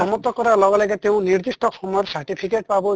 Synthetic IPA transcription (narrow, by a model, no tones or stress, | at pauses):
ɔmɔt̪ɔkɔɾalɔɡɔlaɡet̪eũniɾd̪isʈɔkʰɔmɔɔɾsaɾʈipʰikeʈ̚pabɔ